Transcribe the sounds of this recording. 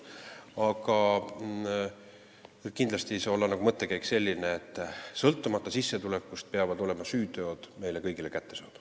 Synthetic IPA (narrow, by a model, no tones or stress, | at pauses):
ɑɡɑ | kind̪lɑst̪iso̞lːɑnɑɡumɤt̪ˑːe̞kæjkse̞lʲːineet̪ːˑsɤlt̪ːˑumɑt̪ːˑɑsisːe̞t̪ule̞kːust̪̚peɑvɑd̪o̞le̞mɑsyːt̪ø̞ːd̪̥me̞jle̞kɤjɡ̥ile̞kæt̪ːe̞sɑːd̪u̥